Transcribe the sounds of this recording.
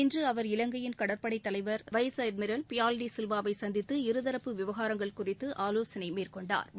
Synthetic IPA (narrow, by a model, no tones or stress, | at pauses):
ɪndrɯɐʋɐɾɪlɐŋɡɐjɪnkɐɽɐɾpɐɽɐɪt̪ːɐlɐɪʋɐɾʋɐjsɐjd̪̚mɪɾɐlpɪjaːlɖisɪlʋaːʋɐɪsɐnd̪ɪt̪ːɯɪɾɯðɐɾɐpːɯʋɪʋɐɣaːɾɐŋɡɐɭkʊrɪt̪ːɯʔaːloːsɐnɐɪmeːrkɔɳɖa̰ːɾ